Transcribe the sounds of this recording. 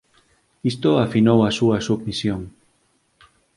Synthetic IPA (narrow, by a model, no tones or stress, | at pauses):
ist̪oafinowasuɐsuβmisjoŋ